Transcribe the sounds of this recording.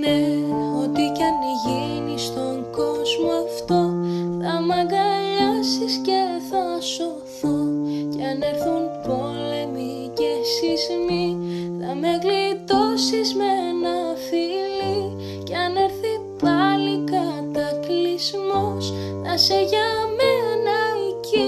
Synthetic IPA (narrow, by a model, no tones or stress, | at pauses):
neot̪icɐn | ʝi | nist̪o̞ŋɡo̞zmoɐft̪oθɐmɐɡɐʎɐsisce̞θɐso̞ | θoceɐne̞ɾθunpo̞le̞mi | ce̞sizmi | θɐme̞ɣlit̪osizme̞nɐfili | ceɐneɾθi | pɐlikɐt̪ɐklizmos | θɐseʝɐmenɐici